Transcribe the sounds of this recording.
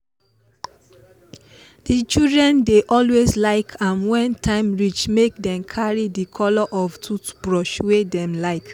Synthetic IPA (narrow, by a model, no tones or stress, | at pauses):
d̥it͡ʃidɹɛ̃ndeʔɔlwezlaɪkʰãnwɛ̃ntʰãɪ̃mɹit͡ʃmek̚dɛ̃mkʰaɹidikʰɔlɔʔɔftʰutb̥ɹɔʃwedɛ̃mlaɪk